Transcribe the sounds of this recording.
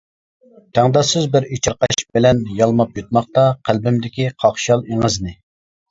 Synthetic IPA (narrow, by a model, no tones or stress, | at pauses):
t̪ʰæŋd̪ɑsɪzbɪɾit͡ʃʰɪɾqɑʃbɪlɛnjɑlˠmɑpjut̪̚mɑχt̪ɑqʰælbɪmd̪ɪkʲiqʰɑχʃɑlˠeŋəznɪ